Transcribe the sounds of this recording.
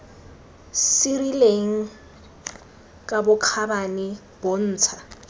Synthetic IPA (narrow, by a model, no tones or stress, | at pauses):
sirileŋ̩ | kʼabʊkʰabanɪ | b̥on̩ːt͡sʰa